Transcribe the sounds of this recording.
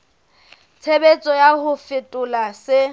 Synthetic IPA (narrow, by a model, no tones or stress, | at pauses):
t͡sʰebet͡sʼɔjahʊfɪtʼʊlasɪ